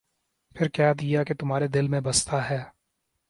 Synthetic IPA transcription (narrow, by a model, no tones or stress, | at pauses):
pʰɪɾkjaːd̪ijaket̪ʊmɦaːɾed̪ɪlmẽbɐst̪aɦɛː